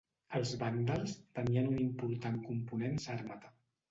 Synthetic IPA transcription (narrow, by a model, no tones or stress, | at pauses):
əlˠzβand̪alˠst̪əmianunimpuɾt̪aŋkumpunensaɾmat̪ə̥